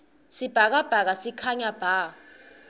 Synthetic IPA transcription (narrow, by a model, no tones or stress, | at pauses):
sib̥ʱak̬ab̥ʱak̬asikʰaɲab̥ʱaː